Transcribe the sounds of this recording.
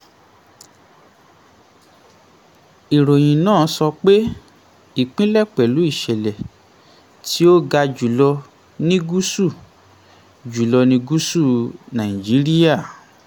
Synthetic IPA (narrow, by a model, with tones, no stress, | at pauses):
i˨ɾo˨j̃ĩ˨nãː˦˨˦sɔ˧k͡pe˦ | i˦˨k͡pĩ˦lɛ˦˨k͡pɛ˨lu˨˦i˦˨ʃɛ˨lɛ˨ | ti˦o˦ɡa˧d͡ʒu˨lɔ˧ | nĩ˦ɡu˦su˦˨ | d͡ʒu˨lɔ˧nĩ˧ɡu˦su˦˨nã˨ĩ˨d͡ʒi˨˦ɾi˦ja˦˨